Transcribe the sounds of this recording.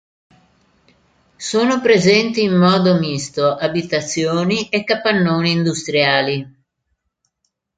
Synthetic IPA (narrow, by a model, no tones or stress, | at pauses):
soːnopɾezɛnt̪iːmːɔːd̪omist̪oʔabit̪at̪sːjoːniʔekːapːanːoːniːnd̪ust̪ɾjaːli